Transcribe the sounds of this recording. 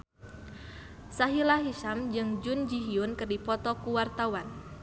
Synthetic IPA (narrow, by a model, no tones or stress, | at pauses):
saɦilaɦiʃamd͡ʒɨŋd͡ʒʊnd͡ʒiɦiʊnkərdipɔt̪ɔkuwart̪awan